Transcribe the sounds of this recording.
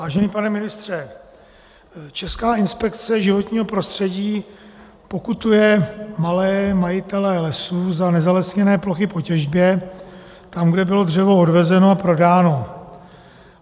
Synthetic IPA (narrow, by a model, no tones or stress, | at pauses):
aːʒɛniːpanɛmɪnɪst̪r̝̥ɛ | t͡ʃɛskaːɪnspɛkt͡sɛʒɪvo̞t̪ɲiːɦo̞pɾo̞st̪r̝̥ɛɟiː | po̞kut̪ujɛmalɛːmajɪt̪ɛlɛlɛsuzanɛzalɛsɲɛnɛːplo̞xɪpo̞cɛʒbjɛ | t̪amɡdɛbɪlo̞d̪r̝ɛvo̞odvɛzɛno̞apɾo̞daːno̞